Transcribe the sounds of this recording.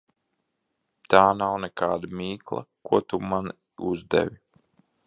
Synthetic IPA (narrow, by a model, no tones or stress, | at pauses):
t̪aːnawnɛkaːd̪amʲiːklˠa̰kuɔt̪uman | uzd̪ɛ̰vʲi